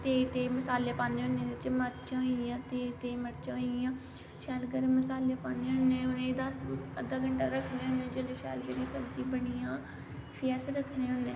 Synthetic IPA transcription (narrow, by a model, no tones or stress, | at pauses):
t̪eːt̪eːməsaːleːpãːneːɦʊnːeːd̪ɪt͡ʃməɾt͡ʃãːɦoiãːt̪eːt̪eːməɾt͡ʃãːɦoiãː | ʃɛːlɡəɾməsaːleːpaːneːɦʊnːẽːʊnẽd̪asəd̪aːɡəɳʈaːɾəkʰneːɦʊnd̪ẽːd͡ʒeleːʃɛ̰ːlɡəɾiːsəbd͡ʒĩːbəɽijãː | pʰɪɛsɾəkʰnẽːɦʊ̃nd̪ẽː